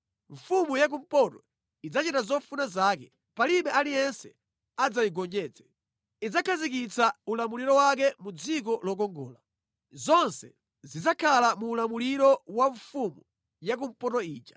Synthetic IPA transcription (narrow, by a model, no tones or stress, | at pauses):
ɱ̩fumujak̬um̩pɔtɔ | id͡zat͡ʃitazɔfunazaːkɛ | paliɓɛalijɛnsɛ | ad͡zajiɡɔɲd͡ʒɛːt͡sɛ̥ | id͡zakʰazik̬it͡saulamuliɾɔwak̬ɛmud͡zik̬ɔlɔk̬ɔŋɡɔ̰ːla | zɔnsɛ̰ | zid͡zakʰalamuːlamuliɾɔwaɱfumu | jak̬um̩pɔtɔiːt͡ʃḁ